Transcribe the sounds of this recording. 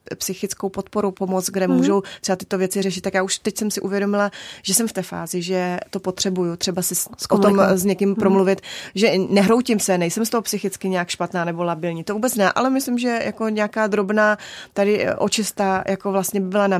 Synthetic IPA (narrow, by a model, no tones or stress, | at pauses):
psɪxɪt͡skowpo̞t̪po̞ɾupomot͡sɡdɛmuːʒo̞wt̪rɛbat̪ɪ̥t̪o̞vjɛt͡sɪrɛʃɪt̪̚t̪ːakjaːuʃt̪ɛcsɛmsɪʔuvjɛdo̞mɪlaʒ̥ɛsɛmft̪ɛːfa̰ːzɪʒɛt̪o̞po̞t̪r̝̥ɛbujut̪r̥ɛbasɪot̪omsɲɛkɪmpɾomluvɪt̪ʒɛnɛɦɾowcɪmsɛnɛjsɛmst̪o̞ɦopsɪxɪt͡skɪɲɛakʃpat̪naːnɛbo̞labɪlɲiːt̪ovuːbɛt͡snɛʔa̰lɛmɪslɪmʒɛjʔako̞ɲɛakaːd̪ɾo̞bnaːt̪adɪʔot͡ʃɪst̪ajʔako̞vlast̪ɲɛbɪbɪlana